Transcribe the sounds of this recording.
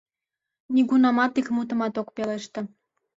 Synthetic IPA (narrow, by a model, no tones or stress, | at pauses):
nʲiɡunɑmɑt̪ikmut̪̬ə̆mɑt̪okpeleʃt̪ɤ̆